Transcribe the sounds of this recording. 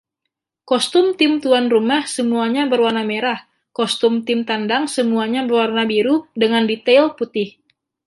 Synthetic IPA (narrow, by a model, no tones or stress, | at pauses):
kɔst̪ʊmt̪ɪmt̪uanrumahsəmuaɲabərwarnameɾah | kɔst̪ʊmt̪ɪmt̪andaŋsəmuaɲabərwarnabiɾudəŋandit̪ɛlput̪ɪh